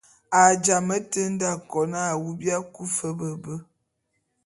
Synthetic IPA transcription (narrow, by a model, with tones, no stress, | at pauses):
a˨d͡ʒa˨mə˦tə˦n˦da˦˨kɔ˨na˦a˨wu˦bja˦ku˦fə˦bə˨bə˦